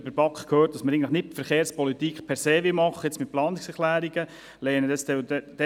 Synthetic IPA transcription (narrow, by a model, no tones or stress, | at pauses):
bəɾbɑkχkʰhøːɾt̚d̥ɑsməɾɪɡŋn̩tləχnɪt̚fəɾχeːɾspɔlitikχpʰɛɾseːʋɪmɑχːəjɛt͡smɪt̚plɑːniksɛɾχlæːɾiɡə | lɛːnədɛstɛdɛdɛ